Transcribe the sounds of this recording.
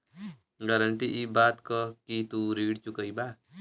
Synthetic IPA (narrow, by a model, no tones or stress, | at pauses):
ɡəɾəɳʈiʔibaːt̪kəkit̪uɾiːɽt͡ʃukəibaː